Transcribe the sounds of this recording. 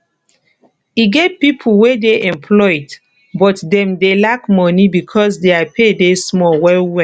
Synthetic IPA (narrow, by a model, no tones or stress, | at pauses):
iɡevpipʰulwedeʔɛ̃mpʰlɔd | bɔtdɛ̃mdelakmɔnibikʰɔs̬deapʰedesmɔwɛlwɛ